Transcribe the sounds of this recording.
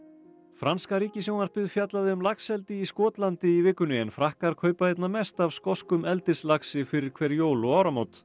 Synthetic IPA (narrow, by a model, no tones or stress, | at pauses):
fɾanskaɾiːcɪs̬jownaɾ̥pɪðfjat̪laðɪʏmlaksɛlt̪ɪiskɔːt̪lant̪ɪivɪːkːʏnʏɛnfɾahkaɾ̥kʰœːɥpaejt̪namɛst̪avskɔskʏmɛlt̪ɪslaksɪfɪɾɪɾ̥kʰvɛːɾjoːwlɔaːwɾamowt̪